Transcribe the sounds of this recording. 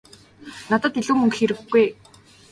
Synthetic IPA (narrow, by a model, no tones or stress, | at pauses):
nat̪ə̆t̪iɮuːmɵŋkxeɾɘ̆xɡuj